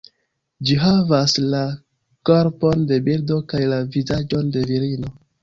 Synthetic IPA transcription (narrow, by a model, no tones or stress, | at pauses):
d͡ʒiɦavasla | ko̞ɾpo̞nde̞bildo̞kajlavizad͡ʒo̞nde̞viɾino̞